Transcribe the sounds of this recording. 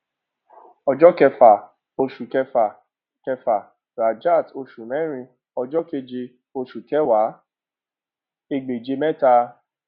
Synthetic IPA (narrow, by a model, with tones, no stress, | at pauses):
ɔ˧d͡ʒɔ˦kɛ˧fa˨ | o˧ʃu˨kɛ˧fa˨ | kɛ˧fa˨ | ɾa˨d͡ʒa˦˨to˧ʃu˨mɛ˦ɾ̃ĩ˧ | ɔ˧d͡ʒɔ˦ke˧d͡ʒe˧ | o˧ʃu˨tɛ˨˦wa˨˦ | e˧ɡ͡be˨d͡ʒe˧mɛ˦ta˧